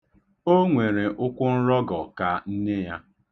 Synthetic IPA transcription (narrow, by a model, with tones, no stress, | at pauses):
o˦ŋʷe˨ɾe˨ʔʊ˦kʷʊ˦n̩˦ɾɔ˦ɡɔ˨ka˨n̩˦ne˦ja̰˦